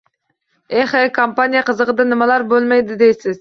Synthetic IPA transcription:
eχekʰompanijɑqəzəʁəd̪ɑnɪmɑlˠɑɾbølˠmejd̪ɪd̪ejsɪz̥

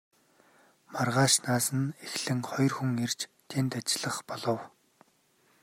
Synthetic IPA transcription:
marʁaːʃnaːsə̆nexɮɘ̆ŋχɔjɞ̆rxuŋert͡ɕt̪ʰent̪at͡ɕɪɮə̆χpɔɮɞ̆w

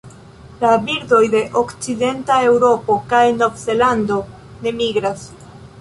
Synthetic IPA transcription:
labiɾdo̞jde̞ʔo̞kt͡side̞ntae̞wɾo̞po̞kajno̞vze̞lando̞ | ne̞miɡɾas

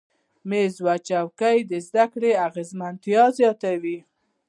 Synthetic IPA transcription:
mezwat͡ʃawkajd̪əzd̪akɽeaɣezmant̪jɑzjɑt̪awi

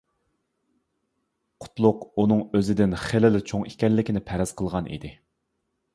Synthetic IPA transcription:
qʰʊ̥t̪lˠʊqunɨŋøzɪd̪ɪnχelɪlɪt͡ʃʰoŋikʲɛnlːɪkʲinɪpʰæɾɛz̥qʰəlˠʁɑnʔḭd̪ɪ

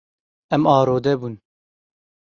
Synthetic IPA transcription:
ɛmɑːɾoːd̪ɛbuːn

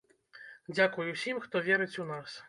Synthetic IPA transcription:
d͡zʲakujusʲimxt̪ɔvʲɛɾɨt͡sʲunas

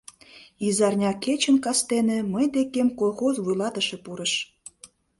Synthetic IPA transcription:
izɑrnʲɑket͡ɕənkɑst̪eneməjd̪ekemkolˠxozβujlɑt̪əʃepuɾəʃ

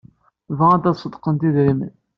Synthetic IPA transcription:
vææd̪æsˤəd̪qənt̪iðɾimə̰n

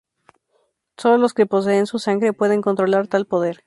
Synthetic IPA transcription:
so̞lolo̞ske̞po̞s̬e̞ːnsusaŋɡɾepwe̞ð̞e̞ŋko̞nt̪ɾo̞laɾt̪alpo̞ðe̞ɾ

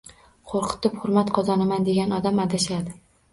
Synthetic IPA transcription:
qʰoɾqʰɨ̥t̪ɪphʊɾmat̪qʰɒzɒnamand̪e̞ɡʲanɒd̪amad̪aʃad̪ɪ

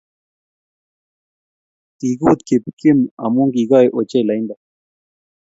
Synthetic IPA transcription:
t̪iɡuːt̪kip̚kimɐ̰muŋɡiɡaːjʔot͡ɕelɐjnd̪a

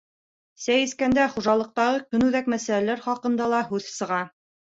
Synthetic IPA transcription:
sæjɘ̆skænd̪æχuʒɑlˠɤ̆q̚t̪ɑʁɤkɵ̆nʉðækmæsælælæɾχɑqɤ̆nd̪ɑlˠɑɦʉðsɤ̆ʁɑ

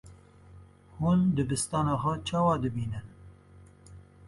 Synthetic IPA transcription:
hund̪ɨbɨst̪ɑːnɑːxʷɛt͡ʃʰɑːwɑːd̪ɨbiːnɨn

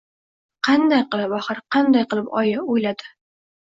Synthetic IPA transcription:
qʰɑnd̪ajqɨlˠɪpɒχɨɾqʰɑnd̪ajqɨlˠɪpɒjaojlad̪ɪ

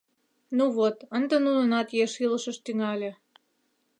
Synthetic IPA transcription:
nuβot̪ənd̪ə̆nunə̆nɑt̪jeʃiləʃə̆ʃt̪yŋɑlʲĕ

